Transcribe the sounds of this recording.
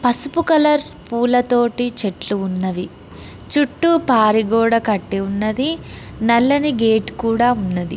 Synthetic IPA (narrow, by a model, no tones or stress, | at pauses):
pɐsupukɐlɐɾ | puːlɐt̪o̞ːʈit͡ʃeʈluunːɐʋi | t͡ʃuʈːupaːɾiɡɔːɽɐkɐʈːiunːɐd̪i | nɐlːɐniɡeːʈkuːɽaːunːɐd̪ḭ